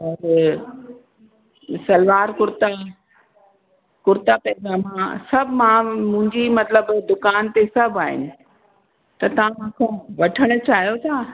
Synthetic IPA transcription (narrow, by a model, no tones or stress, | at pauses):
ɾ | sɐlʋaːɾkʊɾt̪a | kʊɾt̪apɛːɡamãsɐbʱmãmʊ̃ɦɪ̃ɲd͡ʑimɐt̪ləbd̪ʊkaːnt̪esɐbʱaːɦɪ̰nɪ̆ | t̪ɐt̪ɐʋ̤ãmãːkʰõʋɐʈʰəɽ̃ʊ̆t͡ɕaːɦijot̪ʰaː